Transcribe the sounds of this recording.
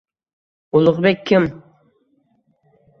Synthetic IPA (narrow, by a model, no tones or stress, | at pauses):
ulˠʊʁbɛkʲʰːɪm